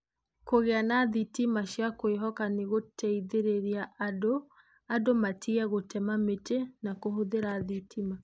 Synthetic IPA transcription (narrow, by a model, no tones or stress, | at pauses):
koɣeanaðitimaɕjakoeɦɔkaneɣotʰɛiðeɾeɾiaʔado | adomatʰiɛɣotɛmametenakoɦoðeɾaðitʰima